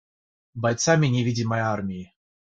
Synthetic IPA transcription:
bɐjt̪samʲɪnʲɪvʲidʲɪmɐarmʲɪɪ

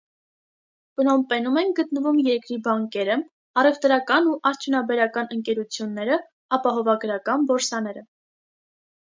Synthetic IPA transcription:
pənɔmpɛnumɛnɡət̪nəvumjɛɾkɾibɑŋkɛɾə | ɑrɛvt̪ɾɑkɑnuʔɑɾt͡sʰjunɑbɛɾɑkɑnəŋkɛɾut͡sʰjunːɛɾə | ɑpɑɦɔvɑɡɾɑkɑnbɔɾsɑnɛɾə

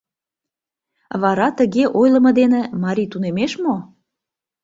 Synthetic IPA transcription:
βɑɾɑt̪ə̆ɣeʔojlə̆mɤ̆d̪enĕmɑɾʲit̪unemeʃmo

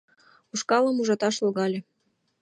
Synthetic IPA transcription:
uʃkɑlə̆muʒɑt̪ɑʃlɣɑlʲĕ

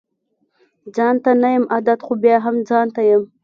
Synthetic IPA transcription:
d͡zɑnt̪anajəmad̪at̪xobjɑɦamd͡zɑnt̪ajəm

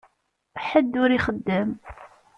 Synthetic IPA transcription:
ħəd̪ːʊɾiχəd̪ːəm

